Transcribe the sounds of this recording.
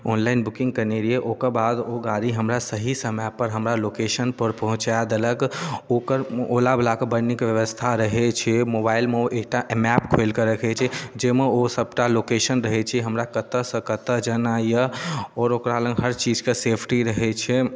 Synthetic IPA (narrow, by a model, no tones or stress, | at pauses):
ɔnlaɪnbukĩŋɡkəneɾieʔokəɾbad̪oɡaɾiɦəmɾasəɦisəmɛpəɾɦəmɾalokeʃənpəɾpəɦũt͡ʃad̪eləkokəɾolablakebəɾnikʋjəʋəst̪ʰaɾəɦɛt͡ʃʰɛmobailmeʔek̚ʈaʔmɛpkʰojlkəɾəkʰɛt͡ʃʰɛd͡ʒemeosəb̚ʈalokeʃənɾəɦɛt͡ʃʰɛɦəmɾakət̪əsə̃kət̪əd͡ʒənajəɔːɾokɾalə̃ŋɡɦəɾt͡ʃid͡ʒkesepʰʈiɾəɦɛt͡ʃʰɛ